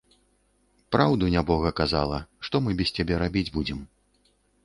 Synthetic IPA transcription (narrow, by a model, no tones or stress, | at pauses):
pɾawd̪unʲabɔɣɐkaza̰lˠɐʂt̪ɔmɨbʲɛst͡sʲabʲɛɾabʲid͡zʲbud͡zʲɛm